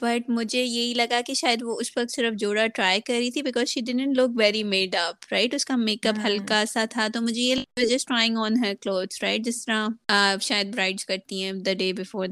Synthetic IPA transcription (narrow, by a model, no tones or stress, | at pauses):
bɐʈmʊd͡ʒʱejeɦilɐɡakiʃaːjəd̪ʋoʊswɐk̚t̪sɪɾəfd͡ʒoːɽaʈɾaːɪkɐɾːit̪ʰibɪkɔːzʃiːɖɪɖə̃ɳʈlʊkʋɛɾimeːɖɐpɾaɪʈʊskameːkɐpɦɐlkasat̪ʰat̪omʊd͡ʒʱejelʋd͡ʒɐsʈɾaːɪ̃ŋɡɔːnɦəɾkloːd̪zɾaɪʈ̚d͡ʒɪst̪əɾãʃaːjəd̪bɾaɪɖzkɐɾt̪iɦɛ̃d̪ɐɖeːbɪfɔːɾ